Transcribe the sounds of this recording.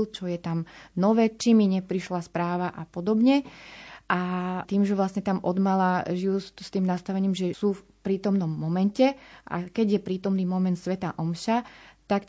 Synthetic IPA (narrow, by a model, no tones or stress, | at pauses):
lt͡ʃɔjɛt̪amnɔʋɛːt͡ʃimiɲɛpɾiʃlaspɾaːʋaʔapɔd̪ɔbɲɛʔat̪iːmʒɛʋlasɲɛt̪amʔɔd̪malaʒijusst̪iːmnast̪aʋɛɲiːmʒɛsuːf | pɾiːt̪ɔmnɔmːɔmɛncɛʔa̰kɛɟjɛpɾiːt̪ɔmniːmɔmɛnt̪sʋɛt̪aʔɔmʃat̪ak